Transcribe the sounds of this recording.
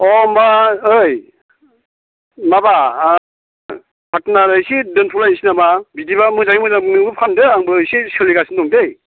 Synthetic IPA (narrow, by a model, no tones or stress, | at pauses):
ɔmaɯj | maba | pʰatnaɾɯjsidɯnpʰulajnsinababidibamɯzaɡimɯzaŋnɯŋbɯpʰandɯaŋbɯːjsisɯliɡasindɔŋdej